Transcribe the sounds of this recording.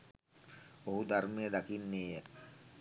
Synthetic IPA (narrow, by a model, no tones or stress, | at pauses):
oɦud̪ʱaɾmijəd̪akinːeːjə